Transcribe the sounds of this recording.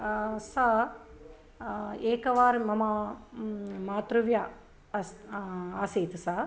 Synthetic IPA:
sa | eːkɐʋaːɾmɐmɐ | maːt̪ɾuʋja | aːsiːt̪sa

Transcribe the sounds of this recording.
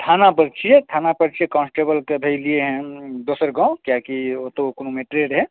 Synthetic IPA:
t̪ʰaːnapəɾt͡ʃʰijet̪ʰaːnapəɾt͡ʃʰiekɔ̃ːnsʈeːbəlkebʱeɪlieɦɛ̃d̪oːsəɾɡãːõkjakiot̪ookonomeːʈɾeɖɦɛ̃

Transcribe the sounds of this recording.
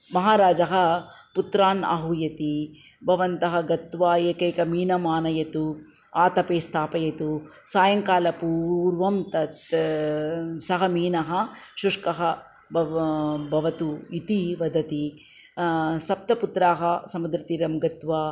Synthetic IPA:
mɐɦaːɾaːd͡ʒɐɦɐ | put̪ɾaːna̰ɦujɐt̪i | bʱɐʋɐnt̪ɐɦɐɡɐt̪ʋaːeːkɐjkɐmiːnɐmaːnɐjɐt̪u | aːt̪ɐpeːst̪ʰaːpɐjɐt̪u | saːjɐŋkaːlɐpuːɾʋɐmt̪ɐt̪ | sɐɦɐmiːnɐɦɐʃuʂkɐɦɐ | bʱɐʋɐt̪uit̪iʋɐd̪ʱɐt̪i | sɐp̚t̪ɐput̪ɾaːɦɐsɐmud̪ɾɐt̪iːɾɐmɡɐt̪ʋaː

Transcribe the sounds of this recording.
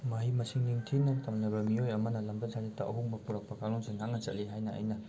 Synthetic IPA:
mɐɦimɐsiŋniŋtʰinaŋtʰamnɐbɐmiojɐmɐnɐlɐmbɐzʰazitːɐʔɐɦuŋbɐpuɾak̚pɐkaŋnɔnsenaŋnɐt͡ʃɐt̚liɦajnɐɐ̰jnɐ

